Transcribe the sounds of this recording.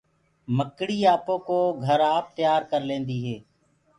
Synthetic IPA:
məkɽiːaːpõːkoːɡʱəɾaːp̚t̪ɪjaːɾkəɾlẽːnd̪iːɦeː

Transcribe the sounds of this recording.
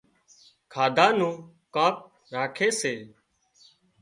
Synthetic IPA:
kʰaːd̪ʱaːnũː | kãːp̚ | ɾaːkʰeːseː

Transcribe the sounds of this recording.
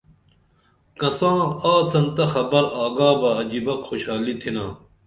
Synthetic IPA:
kɐsãːaːsɐnt̪ɐxɐbɐɾaːɡaːbɐɐd͡ʑibɐkxoɕaːlit̪ʰinãː

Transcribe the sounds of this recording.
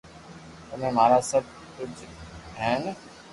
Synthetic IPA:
t̪ʊm̤ẽːm̤aːɾaːsəb̚ | kʊd͡ʒɦɛ̃ːn

